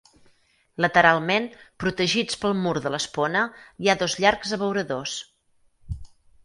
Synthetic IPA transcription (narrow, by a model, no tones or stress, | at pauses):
lət̪əɾalˠmenpɾut̪əʒit͡spəlˠmuɾðələsponəiaðozʎaɾkzəβəwɾəðos